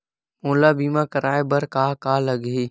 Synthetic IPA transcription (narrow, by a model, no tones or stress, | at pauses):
mõːlaːbiːmãːkəɾaːebəɾkaːkaːləɡiː